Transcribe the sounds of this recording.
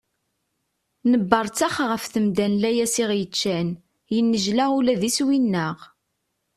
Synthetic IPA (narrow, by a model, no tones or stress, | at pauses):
nəbːɑɾˤt͡sæχʁəfθəmd̪ænlæjæsɪʁjət͡ʃːæn | jənːəʒlaulæðiswinːəʁ